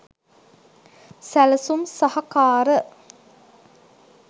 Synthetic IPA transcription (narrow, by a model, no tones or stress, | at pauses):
sælɐsumsɐhɐkaːɾə